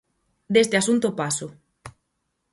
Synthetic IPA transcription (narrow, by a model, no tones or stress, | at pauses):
d̪est̪easunt̪opaso